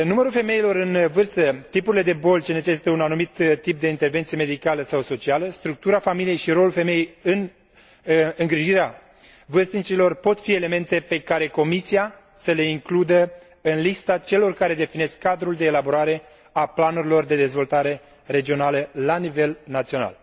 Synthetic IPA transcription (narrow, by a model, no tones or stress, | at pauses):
numəɾulfe̞me̞ilo̞ɾɨnvɨrst̪ət̪ipuɾile̞d̪e̞bo̞lt͡ʃene̞t͡ʃe̞si̥t̪əunanumit̪t̪ip̚d̪e̞int̪e̞rvent̪sieme̞d̪ikaləsawso̞t͡ʃialəst̪ɾuk̚t̪uɾafamilije̞jʃiɾo̞lulfe̞mejejɨn | ɨŋɡɾiʒiɾea | vɨrst̪nit͡ʃilo̞rpo̞t̪fie̞le̞me̞nt̪e̞pe̞kaɾe̞ko̞misia | səle̞iŋklud̪ə | ɨnlist̪at͡ʃe̞lo̞rkaɾe̞d̪e̞fine̞skːad̪ɾuld̪e̞ːlaboɾaɾe̞ | aplanuɾilo̞rd̪e̞d̪e̞zvo̞lt̪aɾe̞ | re̞d͡ʒio̞naləlanive̞lnat̪sio̞na̰l